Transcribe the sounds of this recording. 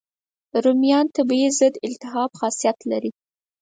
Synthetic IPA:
ɾʊmjɑnt̪əbjezəd̪ɪlt̪ɪɦɑbxɑsijat̪laɾi

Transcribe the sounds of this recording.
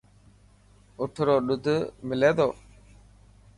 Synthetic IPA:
ʊʈʰɾoːɗʊd̪ʱmɪleːd̪oː

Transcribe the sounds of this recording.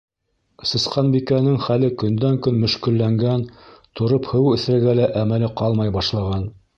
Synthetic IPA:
sɤ̆sqɑnbikænɘŋχælɘkɵ̆nd̪æŋkɵnmɵ̆ʃkɘ̆lːæŋɡænt̪ŏɾophɘ̆wɵ̆θɾæ̆ɡælæʔæmælɘqɑlˠmɑjbɑʃlˠɑʁɑn

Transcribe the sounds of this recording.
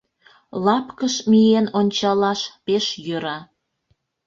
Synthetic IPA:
lɑpkəʃmijenonʲt͡ɕɑlɑʃpeʃjøɾɑ

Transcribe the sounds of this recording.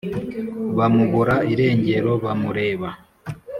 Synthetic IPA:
βamuβuɾaiɾe̞ːɲɟe̞ɾo̞βamuɾe̞ːβa

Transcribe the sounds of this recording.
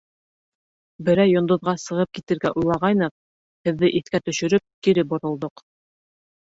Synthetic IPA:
bɘ̆ɾæjːŏnd̪ŏðʁɑsɤ̆ʁɤp̚kit̪ɘ̆ɾɡæʔujlˠɑʁɑjnɤq̚ | hɘ̆ðːɘʔiθkæt̪ɵ̆ʃɵ̆ɾɵp̚kiɾɘp̚bŏɾŏlˠd̪oq

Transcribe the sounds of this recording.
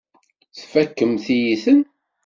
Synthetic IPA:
θfækːəmθijiθən

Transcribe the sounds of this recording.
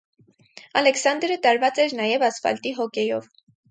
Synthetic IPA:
ɑlɛksɑnd̪ɾət̪ɑɾvɑt͡sɛɾnɑjɛvɑsfɑ̰lt̪iɦɔkɛjɔv

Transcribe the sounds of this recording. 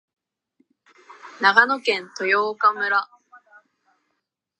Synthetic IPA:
naɡanokẽ̞nt̪o̞joːkamɯ̟ɾa

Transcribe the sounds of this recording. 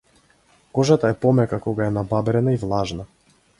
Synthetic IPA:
kɔʒat̪aɛpɔmɛkakɔɡaɛnababɾɛnaivlˠaʒna

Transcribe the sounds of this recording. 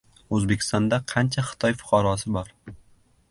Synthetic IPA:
ɵzbe̞kʲɪ̥st̪ɒnd̪aqʰɑnt͡ʃʰaχɪ̥t̪ʰɒjfʊ̥qʰɑɾɒsɪbɒɾ

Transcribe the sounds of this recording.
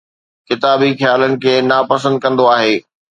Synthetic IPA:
kɪt̪aːbixjaːlənɪ̆kʰeːnapɐs̬ə̃nd̪̚kɐ̃nd̪oaːɦeː

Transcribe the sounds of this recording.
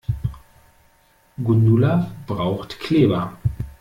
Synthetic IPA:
ɡunulab̥ʁaʊxtkʰl̥eːbɐ

